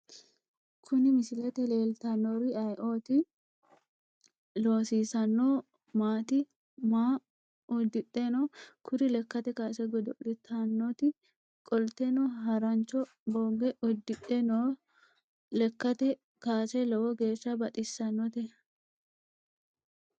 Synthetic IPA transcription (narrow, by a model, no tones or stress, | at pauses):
kʰʊnɪmɪsɪlɛt̪ɛleːlt̪ɐnːoɾɪɐjʔo̞ːt̪ɪ | lo̞ːsiːsɐnːoː | maːt̪ɪ | maː | ʊd̪ːɪt̪ːenoːkʊɾɪlɛkːɐt̪ɛkaːsɛɡɔd̪ɔʔɪt̪ʰːɐnːɔt̪ɪ | kʼɔlt̪ːɛnɔɦɐɾɐnt͡ʃːɔ | boːɡɛʔɔd̪ːɪᶑɛnoː | lɛkːɐt̪ɛ | kaːsɛlɔwɔɡe̞ːʃːɐbɐt̪ʼɪsːɐnːɔt̪ɛ